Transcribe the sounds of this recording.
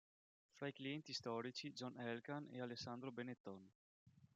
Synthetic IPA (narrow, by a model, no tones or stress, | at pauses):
fɾaikliɛnt̪ist̪ɔːɾit͡ʃid͡ʒɔnɛlkanḛalesːand̪ɾobenet̪ːɔn